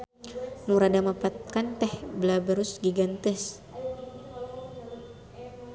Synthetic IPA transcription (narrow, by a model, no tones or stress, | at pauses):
muɾadamapat̪̚kant̪ɛhbəlabəɾʊsɡiɡant̪ɪs